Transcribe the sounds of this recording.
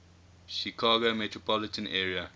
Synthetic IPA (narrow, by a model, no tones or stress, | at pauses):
ʃikʰaːɡomɛtɹopɔlɪtə̃nʔɛːɹia